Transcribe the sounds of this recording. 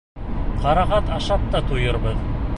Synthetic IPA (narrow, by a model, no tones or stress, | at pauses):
qɑɾɑʁɑt̪ɑʃɑp̚t̪ɑt̪ujɤ̆ɾβɤð